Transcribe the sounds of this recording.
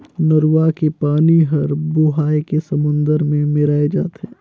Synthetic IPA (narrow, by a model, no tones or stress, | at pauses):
nɐɾuʋakepaːniɦɐɾboɦaːekesɐmʊ̃nd̪əɾmẽmɪɾaːed͡ʒa̰ːt̪ɦɛ̃ː